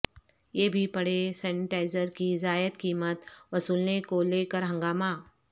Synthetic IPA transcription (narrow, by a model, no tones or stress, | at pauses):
jebʱipɐɽesɛːnɪʈaːɪzəɾkizaːjət̪kiːmət̪ʋɐsuːlnekolekəɾɦə̃ŋɡaːma